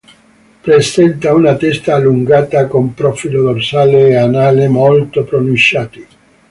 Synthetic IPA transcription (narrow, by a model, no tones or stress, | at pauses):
pɾesɛnt̪aunat̪ɛst̪aːlːuŋɡaːt̪akompɾofilod̪orsaːleːanaːlemolt̪opɾonunt͡ʃːaːt̪i